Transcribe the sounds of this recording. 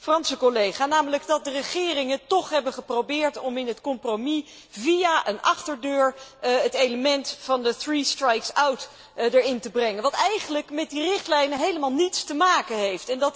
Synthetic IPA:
frɑnsəkolejχaːnaːmələɡdɑt̚dərəχɪːrɪŋəntɔχɦɛbənχəprowbɪːɹtɔmɪnɦətkɔmpromi | vijaʔənɑχtəɹdøːɹɦətejləmɛntfɑndəθristrɛjksawt | dəɹɪntəbrɛŋənʋɑtɛjχənləkmɛt̚dirɪχtlɛjnəɦejləmaːlˠnitstəmaːkəɦejftɛndɑt

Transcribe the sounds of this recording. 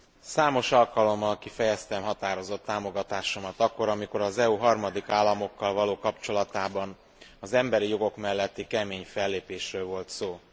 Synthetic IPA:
saːmo̞ʃɒlkɒlo̞mːɒlkifɛjɛst̪ɛmɦɒt̪aːɾo̞zo̞t̪ːaːmo̞ɡɒt̪aːʃo̞mɒt̪ɒkːo̞ɾɒmiko̞ɾɒzɛuɦɒrmɒd̪ikaːlːɒmo̞kːɒlvɒloːkɒpt͡ʃo̞lɒt̪aːbɒn | ɒzɛmbɛɾijo̞ɡo̞kmɛlːɛt̪ːikɛmeːɲfɛlːeːpeːʃrøːlvo̞lt̪soː

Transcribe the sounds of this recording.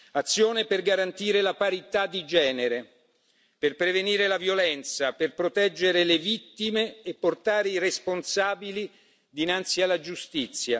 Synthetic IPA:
at̪sːjoːneperɡaɾant̪iːɾelapaɾit̪ad̪ːid͡ʒɛːneɾe | perpɾeveniːɾelavjolɛnt̪saperpɾot̪ɛd͡ʒːeɾelevit̪ːimeːpːort̪aːɾeiresponsaːbili | d̪inant̪sialːad͡ʒust̪it̪sːja

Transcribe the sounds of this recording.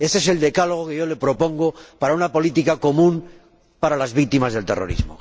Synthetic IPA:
esees̬e̞ld̪e̞kaloɣ̞okeʝo̞le̞pɾo̞põ̞ŋɡopaɾaunapo̞lit̪ikako̞mũn | paɾalazβik̚t̪imazðelt̪ero̰ɾḭzmo

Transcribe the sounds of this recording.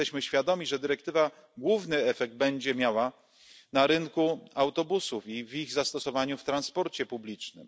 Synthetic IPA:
t̪ɛɕmɘɕfʲjad̪ɔmʲiʐɛd̪ɘɾɛkt̪ɘva | ɡwuvnɘɛfɛɡ̚d̪̚bɛɲd͡ʑɛmʲjawa | naɾɘnkuawt̪ɔbusufiviɣzast̪ɔsɔvaɲuft̪ɾanspɔɾt͡ɕɛpublʲit͡ʂnɘ̰m

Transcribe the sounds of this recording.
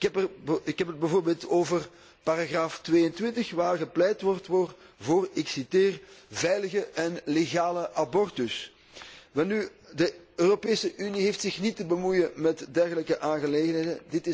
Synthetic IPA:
kɛpərɪkɦɛpəd̚bəvoːrbeːlˠtoːvər | paɾaɣraːftʋeːəntʋɪntəxʋaːrɣəplɛjtʋɔrtʋɔrvoːrɪksiteːrvɛjləɣəʔɛnleɣaːləʔabɔrtʏs | ʋɛnˠnydəøːropeːsəʔyniɦeːftsɪxnitəbəmujəmɛtdɛrɣələkəʔaːnɣəleːɣənɦeːdədɪtɪ

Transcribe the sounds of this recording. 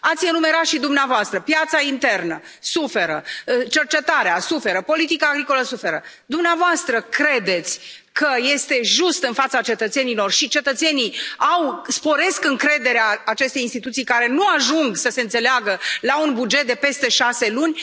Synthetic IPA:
at̪sʲɨnume̞ɾat̪ʃid̪umneavoast̪ɾəpjat̪saint̪e̞rnə | sufe̞ɾət͡ʃe̞rt͡ʃe̞t̪aɾeasufe̞ɾəpo̞lit̪ikaːɡɾiko̞ləsufe̞ɾə | d̪umneavoast̪ɾəkɾe̞d̪e̞t̪sʲ | kəje̞st̪e̞ʒust̪ɨnfat̪sat͡ʃe̞t̪ət̪se̞nilo̞rʃit͡ʃe̞t̪ət̪se̞niawspo̞ɾe̞skɨŋkɾe̞d̪e̞ɾeaːt͡ʃe̞st̪e̞jinst̪it̪ut̪sijkaɾe̞nuaʒuŋɡsəseɨnt̪se̞leaɡəlaunbud͡ʒe̞t̪̚d̪e̞pe̞st̪e̞ʃase̞lunʲ

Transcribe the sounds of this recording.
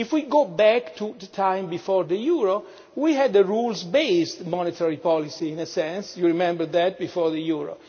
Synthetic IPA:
ifwiɡobæktʰud̪ət̪ʰãj̃mbifɔɹd̪əjuɹo | wiɦɛd̪əɹulzbeɪst̪mɔnet̪ʰəɹipɔlisiĩnəsɛ̃nsjuɹimɛ̃mbəɹðæt̪̚bifɔɹðəjuɹo̰

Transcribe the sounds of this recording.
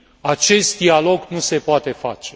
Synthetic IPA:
at͡ʃe̞st̪̚d̪ialo̞ɡnuse̞poat̪e̞fa̰t͡ʃe̞

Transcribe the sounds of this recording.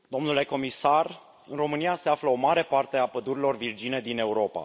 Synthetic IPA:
d̪̥o̞mnule̞ko̞misar | ɨnro̞mɨnijase̞afləo̞maɾe̞part̪e̞apəd̪uɾilo̞rvird͡ʒine̞d̪ine̞uɾo̞pa̰

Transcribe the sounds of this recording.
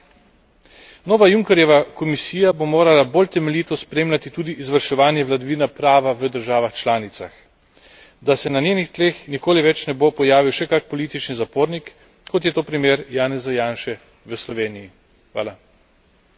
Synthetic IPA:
noːʋajuŋkɛɾjɛʋakɔmisiːjabomoːɾalabolt̪ɛmɛliːt̪ɔspɾeːmlʲat̪it̪uːd̪iʔːzʋəɾʃɛʋaːnjɛʋlad̪ɔʋiːnapɾaːʋaʋəd̪əɾʒaːʋaxt͡ʃlaːnit̪sa̰x | d̪asɛnanjenixt̪leːxnikoːliʋɛt͡ʃnɛbopɔjaːʋiwʃɛkak̚pɔlit̪it͡ʃnizapoːɾnikː | ɔt̪̬jɛt̪oːpɾimjeːɾjaːnɛzajaːnʃɛ | ʋəslɔʋeːniji | xʋa̰ːla

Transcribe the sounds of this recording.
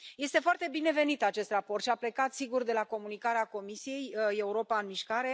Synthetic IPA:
je̞st̪e̞foart̪e̞bine̞ve̞nit̪at͡ʃe̞st̪rapo̞rt̪ʃiaple̞kat̪siɡurd̪e̞lako̞munikaɾeako̞misije̞je̞uɾo̞paɨnmiʃkaɾe̞

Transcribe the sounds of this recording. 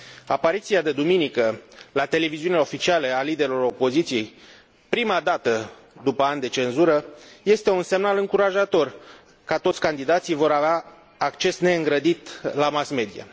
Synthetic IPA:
apaɾit̪siad̪e̞d̪uminikəlat̪e̞le̞viziunileo̞fit͡ʃialealid̪e̞ɾelo̞ɾo̞po̞zit̪sije̞j | pɾimad̪at̪ə | d̪upəand̪e̞t͡ʃe̞nzuɾəje̞st̪e̞unse̞mnalɨŋkuɾaʒat̪o̞r | kat̪o̞t̪sʲkand̪id̪at̪sijvo̞ɾaveaː | kt͡ʃe̞sne̞ɨŋɡɾəd̪it̪lamasme̞d̪ija̰

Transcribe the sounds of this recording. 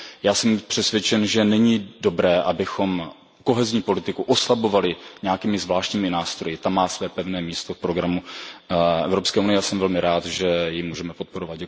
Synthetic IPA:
jaːsɛmpr̝̥ɛsvʲjɛt͡ʃɛnʒɛnɛɲɪdo̞bɾɛːʔabɪxo̞m | ko̞ɦɛzɲiːpo̞lɪt̪ɪkuʔoslabo̞valɪɲɛakiːmɪzvlaːʃcɲiːmɪnaːst̪ɾo̞jɪt̪amːaːsvɛːpɛvnɛːmiːst̪ofpɾo̞ɡɾamu | ʔɛ̰vɾo̞pskɛːunɪjɛasɛmvɛlmɪɾaːt̪ʒɛjɪmuːʒɛmɛpo̞t̪̚po̞ɾovat̪̚ɟɛk

